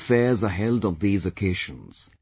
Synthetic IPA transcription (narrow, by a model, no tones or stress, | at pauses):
fɛzəɦɛlˠdn̩ðizɨkʰeɪʒə̃nz̥